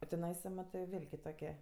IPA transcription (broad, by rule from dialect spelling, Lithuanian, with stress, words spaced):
oː tʲɪˈnɐɪsɐ ˈmɑːtɜ ˈʋʲɪlʲ kʲɪˈtoːkʲiɛ